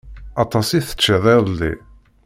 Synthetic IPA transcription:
ɑt̪ˤɑsiθə̥t͡ʃːəðˤeðˤlːḭ

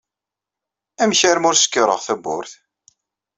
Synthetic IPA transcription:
æmçæɾmʊɾsə̥kːɾˤə̰ʁθæbʊ̰ɾθ

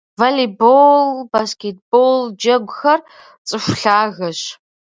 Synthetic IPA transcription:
vaːlibolbaskʲeːt̚bold͡ʒɐɡʷʊxɐr | t͡sʼɨfʷɬaːɣɐɕ

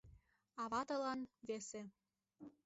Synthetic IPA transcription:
ɑβɑt̪ɤ̆lɑnβese

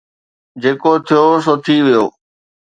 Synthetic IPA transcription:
d͡ʒeːkoːt̪ʰɪjoːs̬oːt̪ʰiːʋijo̰ː

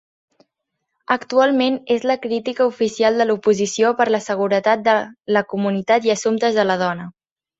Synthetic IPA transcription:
əkt̪ualˠmenezləkɾit̪ikəufisialˠd̪əlupuzisiopəɾləsəɣ̞uɾət̪at̪̚d̪ələkumunit̪at̪iəsumt̪əzðələðɔnə

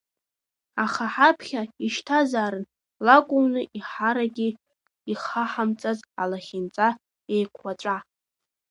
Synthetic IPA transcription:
aχaħapʰχʲaiʃtʰazaːɾɨn | lakʷʼʊmnɨʔiħaɾaɡʲi | iχaħamt͡sʼazalaχʲɪnt͡sʼa | ejkʷʰwat͡ʃʷʼa

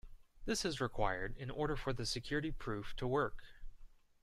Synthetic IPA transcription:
ðɪsɨzɹɨkʰw̥a̰ɪə˞ɾɪ̃nɔ̰ɹɾə˞fə˞ðɨsɨkʰj̥ʊɹɨɾipʰɹ̥ʉftʰəwɜ˞k

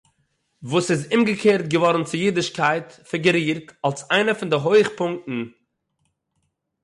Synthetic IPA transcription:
vuːsɪzʊmɡəkʰeːɾt̚ɡəvɔɾn̩t͡sɪjiːdɪʃkaɪtfɪɡəɾiːɾtalˠsaɪnəfɪndɪɦoɪχpʊŋktn̩

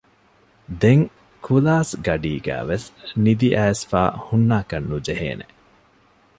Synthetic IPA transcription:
d̪eŋ | kʰulaːsɡɐɖiːɡæ̰ːʋesnid̪iʔæːsfa̰ːhunːaːkɐnːud͡ʒeɦḛːne

